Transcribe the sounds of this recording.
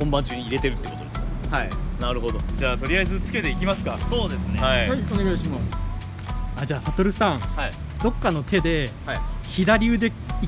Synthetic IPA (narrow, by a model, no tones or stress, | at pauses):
hõmbãɲ̟t͡ɕɨːɲ̟iːiɾe̞t̪e̞ɾɯ̟t̪ːekot̪od̪e̞sɨkhainaɾɯ̟ɦo̞d̪o̞d͡ʑaːt̪o̞ɾʲiaezɨt͡sɨ̥ke̞t̪e̞ikʲimasɨ̥kaso̞ːd̪e̞sɨneaiajone̞ɡaiɕimas | ad͡ʑaːsat̪o̞ɾɯ̟sãŋhai | d̪o̞kːano̞t̪ʰe̞d̪e̞haçid̪aɾʲiɯ̟d̪e̞ | i